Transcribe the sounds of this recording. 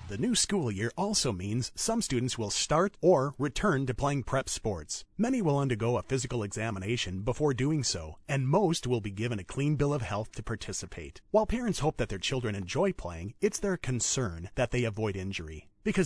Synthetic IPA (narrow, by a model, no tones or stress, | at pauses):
ðɨnʉskulˠjɪɹʔɔlˠsoʊmĩnz̥sʌ̃mstʉdⁿn̩tswɪlˠstɑɹɾə˞ɹitʰɜ̃˞ntɨpʰl̥eɪɪ̃ŋpʰɹ̥ɛpspɔɹtsmɛñiwəlˠʌ̃ndə˞ɡoʊəfɪzɨkl̩ˠɨɡz̥æməneɪʃɨ̃nbəfɔɹduɪ̃ŋsoʊɨ̃nmoʊst̚wɪlˠbiɡɪvɨ̃nɨkʰl̥ĩnbɪlˠʌv̥hɛlˠθtʰɨpʰɑɹtʰɪsɨpʰeɪt̚waɪlˠpʰɛɹɨ̃ntshoʊp̚ðɨt̪̚ðə˞t͡ʃʰɪlˠdɹɨ̃nɨ̃nd͡ʒɔɪpʰl̥eɪɪ̃ŋɨtsðə˞kʰɨ̃n̩sɜ̃˞nðɨt̪̚ðeɪɨvɔɪɾɪ̃nd͡ʒə˞ḭb̥ɨkʰʌ